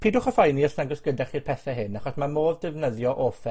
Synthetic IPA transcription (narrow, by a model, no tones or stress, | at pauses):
pʰiːdʊχɔfajniɔsnaɡəsɡ̥ədɛχirpʰɛθɛɦɨnːaχɔsmamoːðdɪvnəðjɔʔɔfɛ